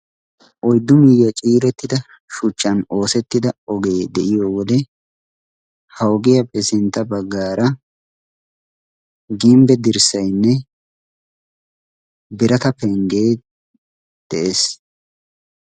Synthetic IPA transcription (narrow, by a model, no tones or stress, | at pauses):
ʔɔjd̪ːʊmɪjːɐt͡ʃʼiːɾɛt̪ːɪd̪ɐ | ʃʊt͡ʃːɐno̞ːsɛt̪ːɪd̪ɐɔɡe̞ːd̪ɛʔɪjoːwɔd̪ɛ | hɐwɡɪjɐpʼɛsɪnt̪ːɐbɐɡːaːɾɐ | ɡimbɛd̪ɪɾsɐjnːɛ | bɪɾɐt̪ɐpɛŋɡe̞ː | d̪̥ɛʔes